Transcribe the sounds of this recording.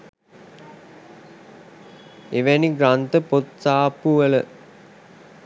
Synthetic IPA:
eʋæniɡɾant̪əpot̪saːpuʋələ

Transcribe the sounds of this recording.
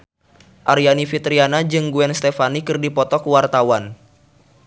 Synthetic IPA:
ʔaɾianifit̪ɾianad͡ʒɨŋɡuɛnst̪ɛfanikɨrdipɔt̪ɔkwart̪awan

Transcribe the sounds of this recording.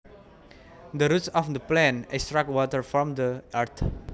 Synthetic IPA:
d̪əɾutsɔfd̪əplɛ̃nɛkst̪ɹakwɔtəɹfɹɔ̃md̪əaɹt̪

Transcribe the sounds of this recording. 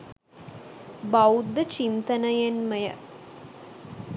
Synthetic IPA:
bɐwd̪ːɐt͡ɕint̪ɐnɐjenmɐjɐ̰

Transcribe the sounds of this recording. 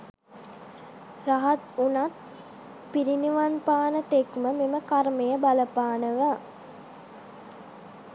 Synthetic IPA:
raɦat̪unat̪̚ | piɾiniʋanpaːnət̪ekməmeməkaɾmejəbaləpaːnəʋa

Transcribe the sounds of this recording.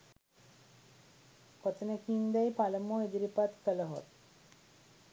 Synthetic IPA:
kot̪ənekiːnd̪æjpaləmoed̪iɾipat̪kələɦo̰t̪̚

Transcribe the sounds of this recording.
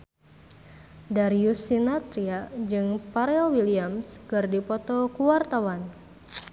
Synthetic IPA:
daɾiusinat̪ɾiad͡ʒɨŋpaɾɛlwiliamskɨrdipɔt̪ɔkuwart̪awan

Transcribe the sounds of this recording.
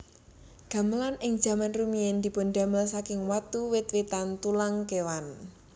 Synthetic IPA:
ɡ̥a̤məlanɪŋ̥d͡ʒ̥ä̤manrumiɛnd̪̥i̤pʊnd̪a̤məlsakɪŋwat̪uwɪt̪̚wit̪ant̪ulaŋkewan

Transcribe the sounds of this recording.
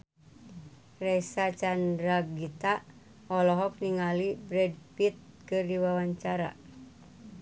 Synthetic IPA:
rɛsat͡ʃandɾaɡit̪a | ɔlɔɦɔk̚niŋalibɾɛd̚pit̪̚ | kɨrdiwawaɲt͡ʃaɾa̰

